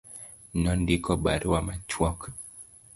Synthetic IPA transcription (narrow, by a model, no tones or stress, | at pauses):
nɔndikɔbaɾwamat͡ʃwɔk